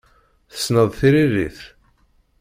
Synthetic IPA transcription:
θə̥sːnəðˤθiɾirːḭθ

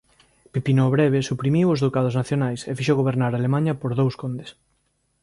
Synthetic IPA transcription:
pipinoβɾɛβesupɾimiwʊzðowkað̞ʊznaθjonajsefiʃowɣoβ̞eɾnaɾalemãɲɐpoɾðowskond̪es

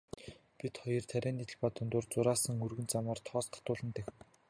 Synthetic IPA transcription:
pit̪χɔjɞ̆rt̪ʰæɾʲæːnːit̪ɘ̆ɮpaːt̪ʊnt̪ʊːrt͡sʊɾaːsə̆ŋɵrɣɵ̆nt͡samaːrt̪ʰɔɔːsqḁt̪ʊːɮə̆nt̪æxn

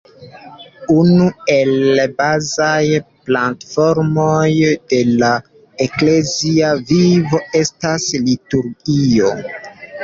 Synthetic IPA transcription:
unue̞lbazajplantfo̞ɾmojde̞la | ekle̞ziavivo̞e̞staslituɾɡio̞

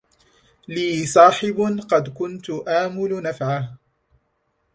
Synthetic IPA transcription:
liːsˤɑːħɪbqɑd̪kʊnt̪ʊʔaːmʊlnafʕah

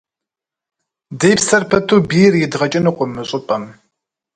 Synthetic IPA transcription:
dejpsɐrpʰɐt̪ʰuːbiːrjɪdʁɐt͡ʃʼɪnɨqʷʼʊmːɨɕʼɪpʼɐm

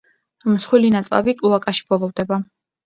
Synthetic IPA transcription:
msχwilinat̪sʼla̰bikʼluakʼaʃi̥bɔlˠɔvd̪ɛba

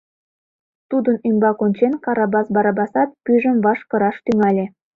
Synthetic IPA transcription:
t̪ud̪ə̆nymbɑkonʲt͡ɕenkɑɾɑbɑsbɑɾɑbɑsɑt̪̚pyʒə̆mvɑʃkɤ̆ɾɑʃt̪yŋælʲe

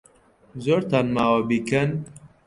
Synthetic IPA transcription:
zoɾt̪anmawabikɐn

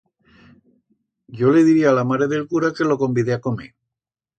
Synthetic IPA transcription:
ɟ͡ʝo̞le̞ðiɾiaːlamaɾeðe̞lkuɾake̞lo̞ko̞mbiðeako̞me

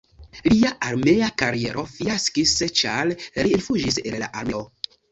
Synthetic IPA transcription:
liaʔaɾme̞akaɾie̞ɾofiaskist͡ʃalɾiinfud͡ʒisella̰ʔaɾme̞o

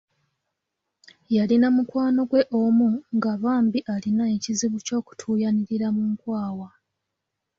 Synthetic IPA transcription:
jalinamukwaːno̞ɡwe̞ʔomuŋɡaβaːmbiʔalinae̞ciziβuco̞ːku̥tʰuːjaniɾiɾamuŋkwaːwa

